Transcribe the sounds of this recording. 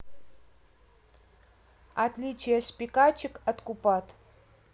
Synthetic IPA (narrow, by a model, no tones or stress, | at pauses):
at̪lʲit͡ʃʰijaspʲikat͡ʃʰɪkat̪kupat̪